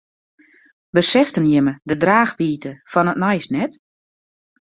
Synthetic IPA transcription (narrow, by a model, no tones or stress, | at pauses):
bəsɛftənjɪmədədraːxbiːtʰəfɔnətnajsnɛt